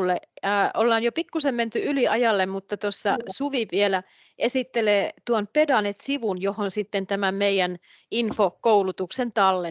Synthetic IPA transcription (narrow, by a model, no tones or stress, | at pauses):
lːeːolːɑːnjopikːusemment̪yyliɑjɑlːemmut̪ːɑt̪osːɑsuʋiʋʋielæ | ʔesit̪ːeleːt̪uonpedɑnet̪siʋunjohonsit̪ːent̪æmæmmeijæn | infokoulut̪uksent̪ɑlːe